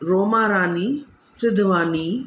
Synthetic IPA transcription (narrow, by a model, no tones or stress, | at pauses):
ɾoːmaːɾaːniː | sɪd̪ʋaːniː